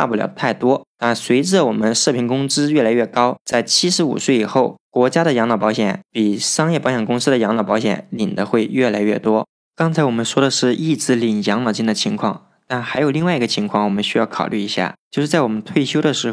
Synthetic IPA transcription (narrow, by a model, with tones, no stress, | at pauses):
a̰˥˧pu˥˩ljɑ̰˨˩ʊt̪ʰa˥˩ɪt̪wɔ˥na˥˩swe˧˥ɪʈ͡ʂə˧˩wɔ˨˩mə˦nʂɤ˥˩pʰi˧˥ŋkʊ˥ŋʈ͡ʂɹ̩˥ɥɛ˥˩la˧˥ɪɥɛ˥˩kɑ˥ʊt͡sa˥˩ɪt͡ɕʰi˥ʂɻ̩˧˥ṵ˨˩swe˥˩ɪi˨˩xo˥˩ʊkwɔ˧˥t͡ɕja˥ɾə˨jɑ˧˥ŋlɑ˨˩ʊpɑ˧˥ɕjɛ̰˧˥npi˨˩ʂɑ˥ŋjɛ˥˩pɑ˧˥ɕjɛ˨˩nkʊ˥ŋsɹ̩˥d̪ə˨jɑ˧˥ŋlɑ˨˩pɑ˧˥ɕjɛ̰˧˥˦nli˨˩nd̪ə˦xwe˥˧ɪɥɛ˥˩la˧˥ɪɥɛ̰˥˩t̪wɔ˥ | kɑ˥ŋt͡sʰa˧˥ɪwɔ˨˩mə˦nʂwɔ˥ɾə˨ʂɻ̩˥˧ʔi˥˩t͡sɹ̩˥li˨˩njɑ˧˥ŋlɑ˨˩ʊt͡ɕi˥˩nd̪ə˩t͡ɕʰi˧˥ŋkʰwɑ̰˥˩ŋ | t̪a˥˩nxa˧˥ɪjo˨˩ʊli˥˧wa˥˩i˧˥ɡə˧t͡ɕʰi˧˥ŋkʰwɑ˥˩ŋwɔ˨˩mə˦nɕy˥jɑ˥˩ʊkʰɑ˨˩ʊly˥˩i˧˥ɕja̰˥˩t͡ɕjo˥˧ʂɻ̩˥˩t͡sa˥˩ɪwɔ˨˩mə˦nt̪ʰwe˥˩ɪɕjo˥ʊɾə˨ʂɻ̩˧˥